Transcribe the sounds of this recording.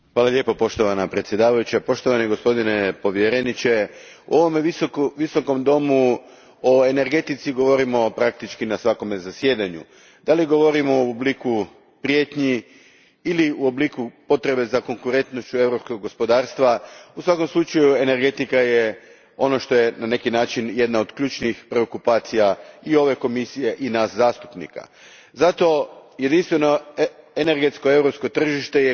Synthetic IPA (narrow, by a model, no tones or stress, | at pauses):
xʋaːlaʎe̞ːpopo̞ʃt̪o̞ʋanapɾet̪sje̞d̪aːʋajut͡ɕapo̞ʃt̪o̞ʋaniɡo̞spo̞d̪ine̞po̞ʋje̞ɾenit͡ɕe̞ | ṵo̞ʋo̞meiokʋiso̞ko̞md̪o̞mu | oe̞ne̞ɾɡe̞t̪it̪siɡo̞ʋo̞ɾimo̞pɾak̚t̪it͡ʃkinasʋako̞mezasje̞ːd̪aɲṵ | d̪̥aliɡo̞ʋo̞ɾimouobliku | pɾije̞t̪ɲi | iliuoblikupo̞t̪ɾe̞be̞zako̞ŋkuɾe̞nt̪nost͡ɕue̞wɾopsko̞ɡːospo̞d̪aːɾst̪ʋausʋako̞mslˠut͡ʃajue̞ne̞ɾɡe̞t̪ikaje | o̞no̞ʃt̪o̞je̞nane̞kinaːt͡ʃinje̞d̪naod̪kʎuːt͡ʃnixpɾe̞okupaːt̪sijaio̞ʋe̞ko̞misije̞ʔinaszaːst̪u̥pnḭka̰ | zat̪o̞je̞d̪inst̪ʋe̞noene̞ɾɡe̞t̪skoe̞wɾopsko̞t̪r̩ʒiʃt̪eje